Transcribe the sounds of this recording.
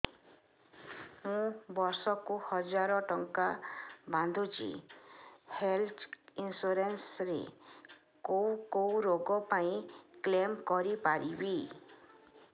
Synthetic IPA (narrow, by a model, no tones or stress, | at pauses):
mũbɔɾsɔkuhɔd͡ʒaɾɔʈɔŋkaband̪ʱut͡ʃʰḭ | helt̪ʰinsuɾensɾḛ | kowkowɾoɡɔpaĩklemkɔɾipaɾibi